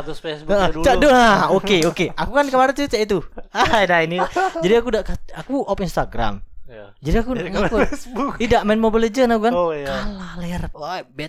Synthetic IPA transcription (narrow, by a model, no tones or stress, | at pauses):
t̪usfesəət͡ʃaduaokeokeakukankəmaɾat͡ʃ̪ut͡ʃaʔit̪̬uadainilad͡ʒadiakudaʔkaakuɔpinst̪aɡɾa̰m | d͡ʒadiakuakusidaʔmanmobiləd͡ʒənakukankalalaarabɛt